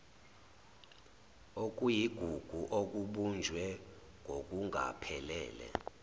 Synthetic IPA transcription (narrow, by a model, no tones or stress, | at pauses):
ok̬ʼujiɡ̥ʱuɡ̥ʱuʔok̬uɓund͡ʒʱwɛ | ŋʱok̬ʼuŋʱa̰pʰɛlɛːlɛ̰